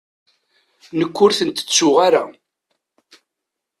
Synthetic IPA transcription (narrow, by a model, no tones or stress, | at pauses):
nəkʷːʊɾθənt̪ə̥t͡sːʊʁaɾa